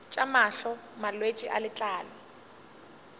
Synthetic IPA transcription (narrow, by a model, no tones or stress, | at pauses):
t͡ʃʼamaɬɔmalwet͡ʃʼiʔalɪt͡ɬʼaːlɔ